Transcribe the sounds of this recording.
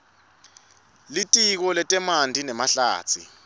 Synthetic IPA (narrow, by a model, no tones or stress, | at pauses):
litʼik̬ɔlɛtʼɛmandʱinɛmaɬa̰ːt͡sʰḭ